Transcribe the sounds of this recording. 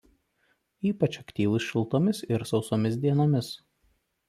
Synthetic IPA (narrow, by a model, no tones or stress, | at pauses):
iːpɐt͡ʃɐkt̪ʲiːʋˠʊsʃʲɪlˠt̪oːmʲɪsɪɾsɒʊsoːmʲɪsd̪ʲiɛnoːmʲɪs